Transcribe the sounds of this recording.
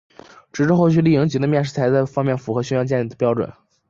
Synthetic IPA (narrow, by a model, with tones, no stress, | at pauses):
ʈ͡ʂɻ̩˨˥ʈ͡ʂ̩˥˧xo˥˧ʊt͡ɕ̬ʰy˥˧li˥˩jɤ˧˥ŋt͡ɕi˧˥d̪ə˧mjɛ˥˧nʂɻ̩˥˩t͡sʰa˧˥ɪt͡sɪfɑ˥ŋmjɛ˥˩nfu˧˥xɤ˧˥ɕ̬ɛ˥jɑ˥ŋt͡ɕjɛ˥˧ni˥˩d̪ə˩pjɑ˥ʊʈ͡ʂwə̰˨˩˦n